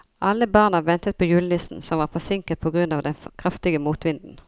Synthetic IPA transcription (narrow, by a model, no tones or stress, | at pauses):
ʔɑlːəbɑːʁnɑʋɛnt̪ət̪̚pʰoːjʉːləlɪst̪n̩sɔmʋɑːʁfɔsɪŋkət̪̚pʰoːɡʁʉnɑːʋd̪ɛnkʰʁɑft̪ɪɡəmuːt̪ʋɪnd̪n̩